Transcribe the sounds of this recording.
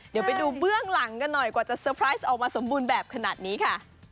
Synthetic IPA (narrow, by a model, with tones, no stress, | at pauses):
di˩˦wpa˧jduː˧bɯ˥˩əŋla˩˦ŋka˧nːɔ˨˩jkwaː˨˩t͡ɕa˨˩sɤː˧pʰɾaː˦˥jsʔɔː˨˩k̚maː˧so˩˦mbuː˧nbɛː˨˩p̚kʰa˧na̰ː˨˩t̪̚niː˦˥kʰa˥˩ʔ